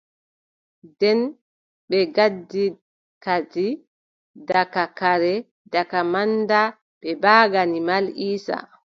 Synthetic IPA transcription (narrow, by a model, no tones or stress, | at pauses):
dɛn | ɓɛɡadːi | kad͡ʒi | dakakaɾɛ | dakamanda | ɓɛbaːɡanimaliːsa̰